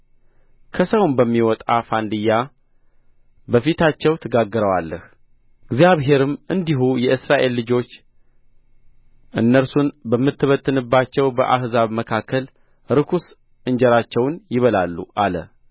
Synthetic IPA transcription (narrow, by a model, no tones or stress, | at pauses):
kʰəsəwnbəmːiwɔt̪ʼafand̪ɨja | bəfit̪ʰat͡ʃːɛwt̪ʰɨɡaɡːɨɾəwa̰lːəh | ɨɡzjaβɦe̞ɾɨmʔɨnd̪iɦujɛʔɨsɾaʔe̞lːɨd͡ʒo̞t͡ʃː | ʔɨnːəɾsunbəmːɨt̪ːɨβət̪ʰːɨnɨbːat͡ʃːɛwbəʔahzaβməkʰakʰːəl | ɾɨkʰus | ʔɨɲd͡ʒɛɾat͡ʃːɛwnjɪβəlalːṵʔalə̰